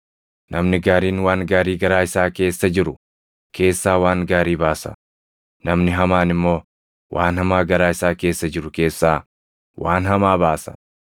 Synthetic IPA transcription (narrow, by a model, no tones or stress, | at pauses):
nɐmnɪɡaːɾiːnwaːŋɡaːɾiːɡɐɾaːɪsaːke̞ːsːɐd͡ʒɪɾʊ | kʰe̞ːsːaːwaːŋɡaːɾiːbaːsɐ̰ | nɐmnɪɦɐmaːnɪmːo̞ː | wʔaːnhɐmaːɡɐɾaːɪsaːke̞ːsːɐd͡ʒɪɾʊke̞ːsːaː | waːnhɐmaːbaːsɐ̥̰